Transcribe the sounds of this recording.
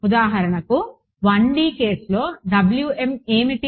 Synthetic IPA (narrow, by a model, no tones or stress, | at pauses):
ud̪aːɦɐɾɐɳɐku | ʋɐɳɖiːkeːsloːɖɐbljuːemeːmiʈi